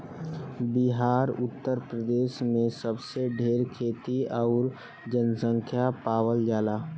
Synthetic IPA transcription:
biɦaːɾʊt̪ːəɾpɾəd̪eːʃmẽsəbseɖʱeːɾkʰeːt̪iɔʊɾ | d͡ʒənsə̃ŋkʰjapaːwəld͡ʒaːlaː

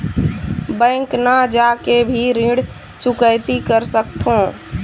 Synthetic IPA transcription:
bə̃ːŋknəd͡ʒakebʱiɾĩɽ | t͡ʃʊkəɪt̪ikəɾsək̚t̪ʰõː

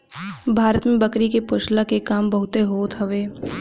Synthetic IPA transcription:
bʱaːɾət̪mẽbɐkɾikepʊʃlakekaːmbɐɦʊt̪eɦoːt̪ɦɐʋeː

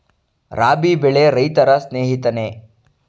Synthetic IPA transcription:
ɾaːbibeɭeɾɐjt̪ɐɾɐsneːɦit̪ɐneː

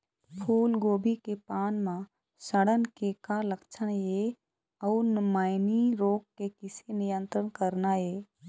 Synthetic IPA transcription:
pʰuːlɡoːbikepaːnmã | səɽənkekaləkt͡ʃʰənjeː | ɔːɾnmaːɪniɾoːkːekɪsenɪjə̃nt̪ɾəɽkəɾnaɦeː

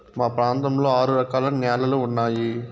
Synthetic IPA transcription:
maːpɾaːnt̪ɐmloːaːɾɯɾɐkaːlɐmnjaːlɐlɯʊɳːaːji

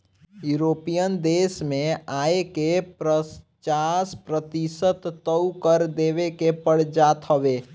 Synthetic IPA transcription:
juɾoːpijənd̪eːsmẽaːekepɾə | t͡ʃaspɾət̪isət̪ːəukəɾd̪eːʋekepəɽ̤d͡ʒaːt̪ɦəʋeː

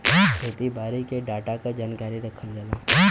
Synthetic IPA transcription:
pot̪ibaːɾikeɖaːʈakad͡ʒaːnkaːɾiɾɐkʰːəld͡ʒalaː

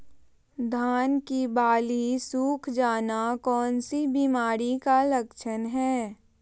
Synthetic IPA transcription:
d̪ʱaːnkibaːlisuːkʰd͡ʒaːnakɔːnsibiːmaːɾikaləkʃʰənɦɛː

